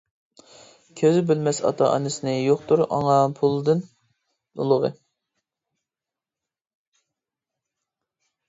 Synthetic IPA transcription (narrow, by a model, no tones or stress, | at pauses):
kʲʰøzɪbylmɛsɑ̰t̪ʰɑʔɑ̰nɨsɨnɨjoχt̪uɾɑ̰ŋɑpʰulˠd̪ɨn | ṵlˠəʁə̰